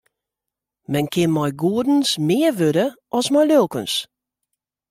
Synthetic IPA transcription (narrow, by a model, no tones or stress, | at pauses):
mɛnkʰɪnmajɡuədən̩smeːʋøɾəʔɔsmajlølˠkəns